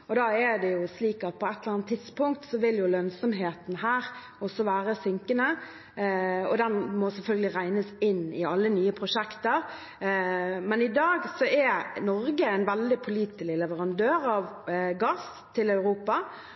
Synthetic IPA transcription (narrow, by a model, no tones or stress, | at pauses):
ɔd̪ɑːɛd̪ɛjʊsliːkɑt̪̚pʰɔɛt̪ːləɾʁɑnt̪ʰːɪd̪spʊŋk̚t̪sɔʋɪljʊlœnsɔmɦeːt̪n̩hæːɾ | ɔsɔʋæːɾəsɪŋkənə | ɔ̰d̪ɛnmɔsɛlfœlɡəlɪɾæɪnəsɪnːɪɑlːənyːəpʰɾʊʂɛkt̪əɾ | mɛnɪd̪ɑːɡsɔɛnɔɾɡəæɪnʋɛld̪ɪpʰʊliːt̪ɪlɪlɛʋəɾɑnd̪øːɾɑʋɡɑːs | t̪ʰɪlɑʉɾuːpɑ